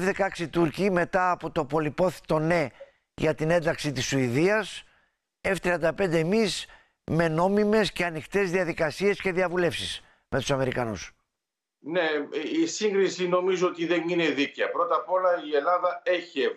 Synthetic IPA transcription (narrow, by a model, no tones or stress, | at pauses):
vðekɐksit̪uɾcime̞t̪ɐːpo̞t̪o̞po̞lipo̞θi̥t̪o̞ne̞ | ʝɐt̪ine̞nd̪ɐksit̪isuiðiɐs | eft̪ɾiɐnd̪ɐpe̞nd̪e̞ːmis | me̞no̞mime̞sce̞ɐnixt̪e̞zðiɐðikɐsie̞sce̞ðiɐvule̞fsis | me̞t̪u̥sɐme̞ɾikɐnṵs | neisiŋɡɾisino̞mizoot̪iðenine̞ðiceɐpɾo̞t̪ɐpo̞lɐie̞lɐðɐeçe